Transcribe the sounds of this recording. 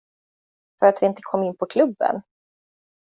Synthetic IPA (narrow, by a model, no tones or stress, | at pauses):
fœɾat̪vɪɪnt̪ə̥kʰɔmːɪnːpʰɔkʰlɵbːə̰n